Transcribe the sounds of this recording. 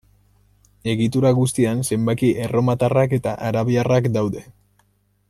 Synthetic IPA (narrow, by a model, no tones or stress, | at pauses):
e̞ɣit̪uɾaɣust̪ianse̞mbakiʔero̞mat̪arake̞t̪aʔaɾaβiarakd̪awðe̞